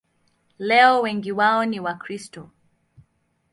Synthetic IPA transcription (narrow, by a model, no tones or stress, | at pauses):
lɛɔwɛŋɡiwaɔniwakɾistɔ